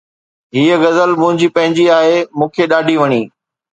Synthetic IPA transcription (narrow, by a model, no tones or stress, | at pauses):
ɦiːəɣɐzəlmʊ̃ɦɪ̃ɲd͡ʑipɐ̃ɦɪ̃ɲd͡ʑiaːɦemũːkʰeɗaːɖʱiʋɐɽ̃iː